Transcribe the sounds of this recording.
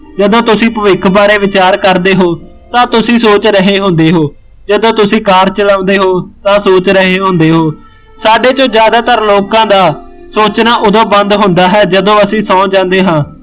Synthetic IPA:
d͡ʒəd̪õːt̪ʊsĩːpəʋɪkʰbaːɾeːʋɪt͡ʃaːɾkəɾd̪eːɦoː | t̪ãːt̪ʊsĩːsoːt͡ʃɾəɦeːɦʊ̃nd̪eːɦoː | d͡ʒəd̪õːt̪ʊsĩːkaːɾt͡ʃəlãːnd̪eːɦoːt̪ãːsoːt͡ʃɾəɦeːɦõːnd̪eːɦoː | saːɖeːt͡ʃõːd͡ʒjaːd̪aːt̪əɾloːkãːd̪aː | soːt͡ʃnaːʔʊd̪õːbə̃nd̪ɦʊ̃nd̪aːɦɛːd͡ʒəd̪õːəsĩːsɔ̃ːd͡ʒãːnd̪eːɦãː

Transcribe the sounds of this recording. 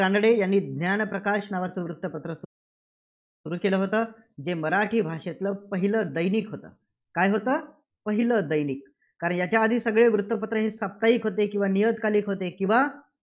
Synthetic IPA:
ɾanəɽejanːiːd̪ʱnjanpɾəkaʂnaʋat͡səːʋɾut̪ːəpət̪ɾəs | suɾuːkeləːɦot̪əː | d͡zeməɾaʈʰiːbʱaʂet̪ləpəɦiləd̪əjniːkɦot̪ə̰ː | kajɦot̪əː | pəɦiləd̪əjniːk̚ː | aɾəɳjat͡ɕjaəd̪ʱiːsəɡɭeʋɾut̪ːəpət̪ɾəɦesap̚t̪aiːkɦot̪ekĩw̃ʋanijəd̪kaliːkɦot̪ekĩw̃ʋa

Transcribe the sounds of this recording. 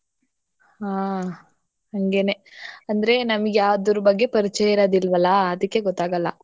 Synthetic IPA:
haː | hɐŋɡeːneɐnd̪ɐɾe̞nɐmɐɡeaːʋd̪uɾubɐɡːe̞pɐɾit͡ʃɛjɐɾoːd̪ilːʋɐlːɐɐd̪ɐkːe̞ɡɔt̪ːaːɡɐlːɐ

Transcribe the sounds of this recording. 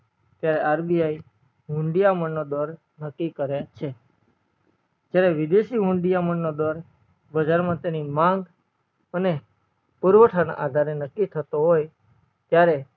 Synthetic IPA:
t̪jaɾɛʔaɾbiai | ɦʊ̃ɳɖijaməɳːod̪ɔɾ | nəkːikəɾjat͡ʃʰe | d͡ʒjaɾɛʋɪd̪eʃiɦʊ̃ɳɖijamənːod̪ɔɾ | bəd͡ʒaɾmãt̪enimãŋɡ | əne | puɾʋəʈʰana̰ʔad̪ʱaɾenəkːit̪ʰət̪oɦoj | t̪jaɾe

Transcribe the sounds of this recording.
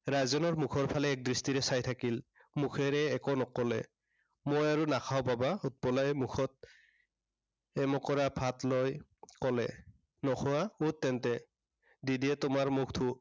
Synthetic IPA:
ɹajzɔnɔɹmukʰɔɹpʰalɛːk̚dɹistiɹɛsajtʰakil | mukʰɛɹɛːkɔnɔkɔlɛ̰ | mojaɹunakʰawpabaut̚pɔlajmukʰɔt̚ | ɛmɔkɔɹabʱatlojkɔlɛ̰ | nɔxʰɔaut̚ːɛntɛ | didiɛtʊmaɹmukʰtʰu

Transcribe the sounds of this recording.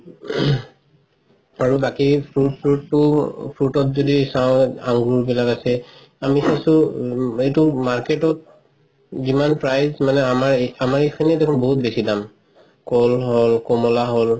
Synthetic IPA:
aɹubakipʰɹutpʰɹutːʊpʰɹutɔtzodisaʊ̃a̰ŋɡuɹbilakasɛ | amisãsʊejtumaɹketɔt̚ | zimanpɹajzmanɛamaɹamaɹekʰinɛdekʰɔnboɦut̚besidam | kɔlɦɔlkɔmɔlaɦol

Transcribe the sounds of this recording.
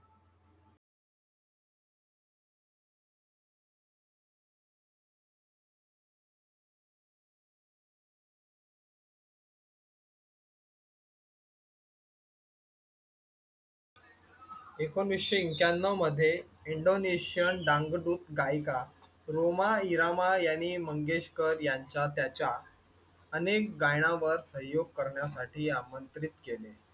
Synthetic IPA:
ekonʋiɕəiŋkjanːəməd̪ʱːjeiɳɖoneɕijənɖãŋɡɖut̪ɡajka | ɾomaiɾamajañiːməŋɡeɕkəɾjaɲt͡ɕjat̪jat͡ɕja | ənekɡajɽ̃ãʋəɾsə̃ɦjoɡ̚kəɾɳjas̬aʈiːamənt̪ɾit̪kele

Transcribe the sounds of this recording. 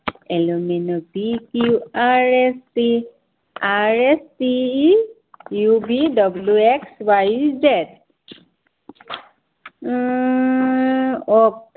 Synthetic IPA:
ɛluminɔbikuaɹɛsti | aɹɛsti | jubidɔbluekswajzɛt̚ | ɔk̚

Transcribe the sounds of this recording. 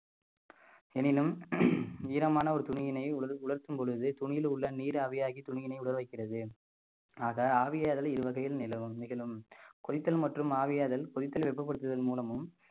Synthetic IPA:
ɛnɪnɯm | iːɾɐmaːnɐɔɾɯt̪ʊɳɪjɪnɐɪʊɐɾʊɭɐɾt̪ɯmpɔɻɯðɯt̪ʊɳɪjɪlʊɭːɐniːɾaːʋɪjaːɣit̪ʊɳɪjɪnɐɪʊɽɐɾʋɐɪkːɪrɐðɯ | aːɣɐaːʋɪjaːðɐlɪɾɯʋɐɣɐjɪlnɪlɐʋɯmːɪɣɐɭɯmkɔðɪt̪ːɐlmɐʈrɯmaːʋɪjaːðɐlkɔðɪt̪ːɐlʋɛpːɐp̬ːɐɽɯt̪ːɯðɐlmuːlɐmɯm

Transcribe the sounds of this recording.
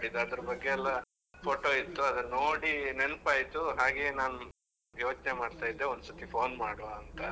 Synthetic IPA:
ɽid̪uɐd̪ɐɾɐbɐɡːeɛlːɐ | pʰoːʈo̞ːit̪ːuɐd̪ɐnoːɽinenpaːjit̪uɦaːɡeːnaːnu | jo̞ːt͡ʃnemaːɖt̪aːjid̪ːeond̪usɐt̪ipʰo̞ːnmaːɽoʋaɐnt̪ɐ

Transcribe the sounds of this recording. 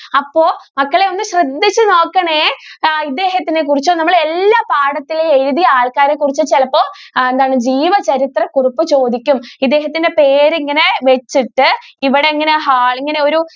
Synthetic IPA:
ɐpːo̞ːmɐkːɐɭe̞o̞nːɨɕrɐd̪ːit͡ɕːɨno̞ːkːɐɳeːid̪ːe̞ːɦɐt̪ːinek̬urit͡ɕːoːnɐmːɐɭelːaːpaːɽɐt̪ːileeɾuðijɐaːɭkaːɾekːurit͡ɕːut͡ɕelɐpːoːend̪aːɳɨd͡ʑiːʋɐt͡ɕɐɾit̪rɐkuripːɨt͡ɕo̞ːd̪ikʲːumid̪ːe̞ːɦɐt̪ːinde̞pe̞ːɾiŋːɐne̞ʋet͡ɕːiʈːɨiʋiɽe̞iŋːɐne̞ɦaːɭiŋːɐne̞o̞ɾu

